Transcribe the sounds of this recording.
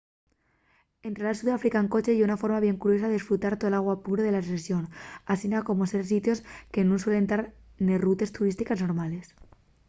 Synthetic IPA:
ent̪ɾelalsuðafɾikaŋko̞t͡ʃejeunafo̞ɾmaβje̞ŋkuɾjo̞s̬aðesfɾut̪aɾt̪oelaɣwapuɾoðe̞lasesjo̞nasinako̞moseɾs̬it̪jo̞ske̞nũnswe̞le̞nt̪aɾ | nerut̪e̞st̪uɾist̪ikazno̞ɾmale̞s

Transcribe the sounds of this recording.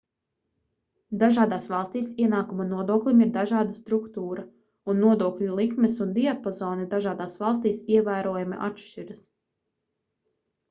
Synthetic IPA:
d̪aʒaːd̪aːsʋɑlˠst̪iːsiɛnaːkumɐnuɔd̪uɔklʲimiɾd̪aʒaːd̪ast̪ɾukt̪uːɾɐ | unːuɔd̪uɔklʲulˠikmɛsund̪iapɔzɔːnid̪aʒaːd̪aːsvɑlˠs̬t̪iːsiɛvæːɾuɔjamḭʔa̰tʃt͡ʃiɾɨs

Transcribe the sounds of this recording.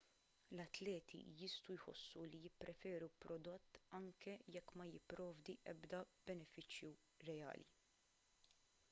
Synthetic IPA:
lɐt̪lɛːt̪ʰḭjɪst̪ujħɔ̰sːulijɪpːɾɛfɛːɾupɾɔd̪ɔt̪ːɐŋkɛjɛkːmɐjɪpːɾɔːvd̪iʔɛbd̪ɐb̥ɛnɛfɪt͡ʃju | ɾɛjɐ̰ːlḭ

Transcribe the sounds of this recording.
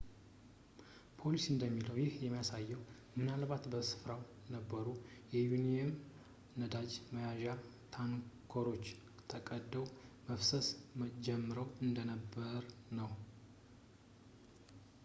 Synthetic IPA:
pʰo̞lisɨnd̪əmːiləwjɪhjɛmːijasajːɛw | mɨnalbat̪bəsɨ̥fɾaw | nəbːəɾujɛjuniɛm | nəd̪ad͡ʒməjaʒat̪ʰankʰoɾo̞t͡ʃː | t̪ʰəkʼəd̪ːəwməfsəsmd͡ʒɛmːɨɾəwɨnd̪ənəbːəɾnəw

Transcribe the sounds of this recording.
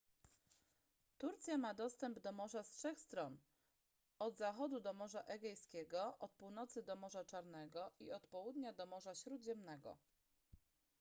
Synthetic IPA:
t̪uɾt̪sʲjamad̪ɔst̪ɛmbd̪ɔmɔʐastʂɛxst̪ɾɔn | ɔd̪zaxɔd̪ud̪ɔmɔʐaʔɛɡʲɛjskʲɛɡɔʔɔt̪̚puwn̪ɔt̪sɘd̪ɔmɔʐat͡ʂaɾnɛɡɔʔiɔt̪pɔwud̪ɲad̪ɔmɔʐaɕɾud̪ʑɛmnɛɡɔ̰

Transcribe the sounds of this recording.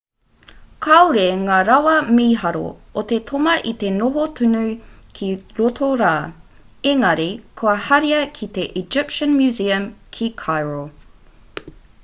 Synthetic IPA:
kʰɐwɾeŋaːɾɐwɐmiːɦɐɾo̰ot̪et̪ʰomɐʔit̪enoɦot̪ʰunukʰiɾot̪ʰoɾaː | eŋɐɾikʰoɐhɐɾiɐkʰit̪eʔid͡ʒɪpʃə̃nmjʉːziɐmkʰikʰajɹəlˠ

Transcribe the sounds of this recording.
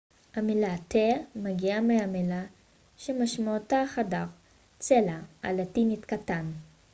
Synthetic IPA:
hamelatemaɡiameamela | ʃemaʃmaotaχadaʁ | t͡selaa̰latinitkatan

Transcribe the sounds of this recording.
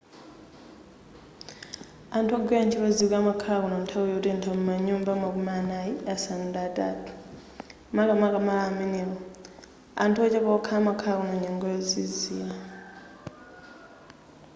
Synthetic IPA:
antʰaɡwɛant͡ʃʰilɔzikamakʰakunantʰawɔjɔtintʰamumaɲumbamak̬umanajiasanundatʼa̰tʰu̥ | makamakamalamɛnilɔ | a̰ntʰuɔt͡ʃɛpɔkʰamakʰakunaɲɛŋɡɔjɔzizia

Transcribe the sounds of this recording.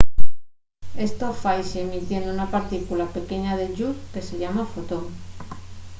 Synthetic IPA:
e̞st̪ofajʃeemit̪je̞nd̪ounapaɾt̪ikulape̞ke̞ɲað̞e̞ʎuɾke̞se̞ʎamafot̪oŋ

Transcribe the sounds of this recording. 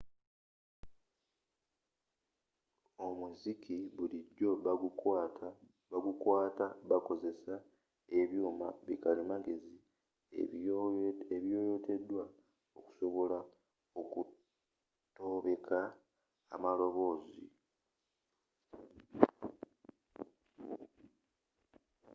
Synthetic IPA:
omuzikiβuliɟːo̞ | aɡukwaːtaβako̞ze̞sa | e̞βjuːma̰βikalimaɡe̞zḭ | eβjo̞ːjo̞te̞dːwa | oku̥so̞βo̞la | oku | to̞βe̞kʰa̰ː | malo̞βo̞ːzḭ

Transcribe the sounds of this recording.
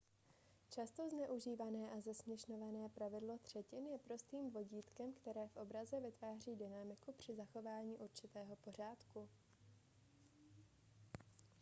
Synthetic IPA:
t͡ʃast̪o̞znɛʔuʒiːvanɛːʔazɛsmɲɛʃno̞vanɛːpɾavɪdlo̞t̪r̝̥ɛcɪnjɛpɾo̞st̪iːmvo̞ɟiːt̪kɛmkt̪ɛɾɛːfʔo̞bɾazɛvɪt̪vaːr̝iːdɪnamɪkupr̝̥ɪzaxo̞vaːɲiːʔuɾt͡ʃɪt̪ɛːɦo̞po̞r̝aːt̪ku

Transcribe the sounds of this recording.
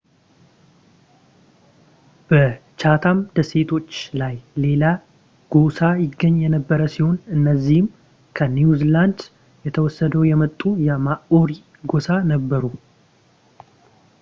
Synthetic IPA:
b̥ət͡ʃat̪ʰamd̪əse̞t̪ʰo̞t͡ʃːlajle̞la | ɡ̥o̞sajɪɡːəɲːjɛnəbːəɾəsiho̞nɨnːəzːihɪm | kʰənjuziland̪ | jɛt̪ʰəwɔsːəd̪əwjɛmət̪ʼːujɛmaʔoɾi | ɡo̞sanəbːəɾu

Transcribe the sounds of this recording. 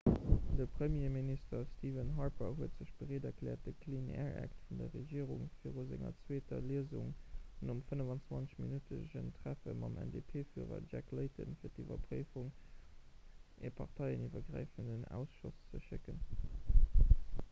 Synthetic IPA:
d̥əpʁ̥əmjeːministɐstʰiːvənɦɑɹpəɦuətz̥əɕb̥əʁeːdɐklɛːɐt̚d̥əkʰlinḛɛɹæ̰ktfundɐʁeʒiːəʁuŋfiːʁozæŋɐ̰t͡sweːtɐliəzuŋnomfənəvɑnt͡svɑnt͡sə̥ɕminytʰəzəɕə̰ntʁ̥æfəmɑmʔɛ̰ndeːpʰeːfyːʁɐ̰d͡ʒækləɪtə̰nfiːɐtivɐpʁiːfuŋ | ʔeːpʰɑʁtʰɑɪənʔivɐɡʁa̰ɪfəndənæ̰ʊsʃʊst͡səʃɪkən

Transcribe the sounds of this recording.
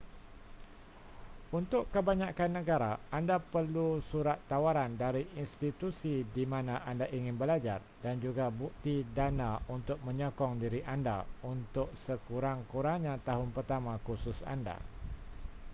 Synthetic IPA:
unt̪ʊʔkːəbaɲãkanːə̃ɡaɾaandapərlusuɾat̪ːawaɾandaɾiʔinst̪it̪usidimãnãʔandaʔiŋɪ̃nbəlad͡ʒa̰r | dand͡ʒuɡabuk̚t̪idanaunt̪ʊk̚mə̃ɲɔkɔŋdiɾiʔanda̰unt̪ʊk̚səkuɾaŋkuɾaŋɲãt̪aɦʊnpərt̪amãkusʊsa̰nda̰

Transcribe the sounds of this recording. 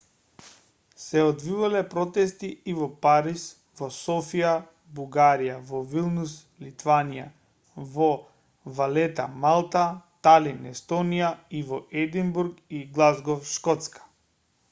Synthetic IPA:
sɛɔd̪vivalɛpɾɔt̪ɛst̪iːvɔpaɾis | vɔsɔfija | buɡaɾijavɔvilˠnus | lit̪vanija̰ | vɔ | valɛt̪amalˠt̪at̪alinɛst̪ɔnijaivɔʔɛd̪imbuɾkiɡlˠazɡɔfʃkɔt̪skḁ

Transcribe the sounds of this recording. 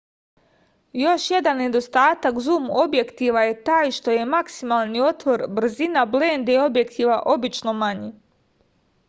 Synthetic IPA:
jo̞ʃje̞d̪anːe̞d̪o̞st̪aːt̪akzumobje̞kt̪iʋaje̞t̪aːjʃt̪o̞je̞maksimalˠnio̞t̪ʋo̞ɾbr̩zinablend̪eo̞bje̞kt̪ʰiʋaʔo̞bit͡ʃno̞maɲi

